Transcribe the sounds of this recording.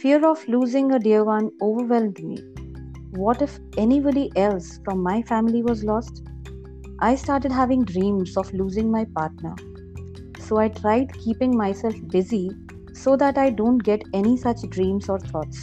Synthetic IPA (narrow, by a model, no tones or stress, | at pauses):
fiəɾɔʋluːzɪ̃ŋəɖiəɾʋʌ̃noːʋəɾʋɛlmɖmḭː | ʋɔːʈɪf | ɛnibɔɖiʔɛlsfɾɔ̃mːaɪfæ̃mɪliʋɔzlɔːsʈ | ʔaɪsʈaːɾʈəɖɦæʋɪ̃ŋɖɾĩːmzɔʋluːzɪ̃ŋmaɪpaːɾʈnə̰ɾ | soːaɪʈʰɾaɪɖkʰiːpɪ̃ŋmaɪsɛlfbɪzi | soːd̪æʈaɪɖõːɳʈɡɛʈɛnisʌt͡ʃɖɾĩːmzɔːɾt̪ʰɔːʈs